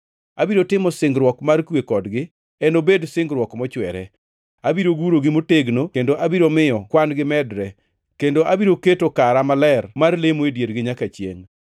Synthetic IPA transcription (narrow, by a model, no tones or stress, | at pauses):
abiɾotɪmɔsɪŋɡɾwɔkmarkwekɔdɡɪ | ɛnobedsɪŋɡɾwɔkmɔt͡ʃwɛɾɛ | abiɾoɡuɾoɡɪmoteɡnokendoʔabiɾomɪjɔkwanɡɪmɛdɾɛ | kendoʔabiɾoketokaɾamalɛrmarlemoedjeɾɡɪɲakat͡ʃjḛŋ